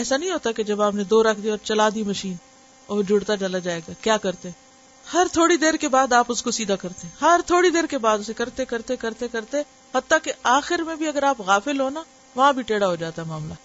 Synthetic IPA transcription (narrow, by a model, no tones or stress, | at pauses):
ɛːsanɐɦĩɦoːt̪aked͡ʒɐbaːpned̪oːɾɐkʰd̪iɔːɾt͡ʃɐlaːd̪imɐʃiːn | oːd͡ʒʱʊɽt̪at͡ʃɐlad͡ʒaːeːɡaːkjaːkɐɾt̪eɦɛ̃ | hɐɾt̪ʰoːɽid̪eːɾkebaːd̪aːpʊskosiːd̪ʱakɐɾt̪eɦɛ̃ɦɐɾt̪ʰoːɽid̪eːɾkebaːd̪ʊsekɐɾt̪ekɐɾt̪ekɐɾt̪ekɐɾt̪eɛ̃ | hɐt̪ːakeaːxɪɾmẽbʱiɐɡəɾaːpɣaːfɪlɦoːna | ʋɐɦãbʱiʈeːɽaɦod͡ʒaːt̪aɦɛmaːmlaː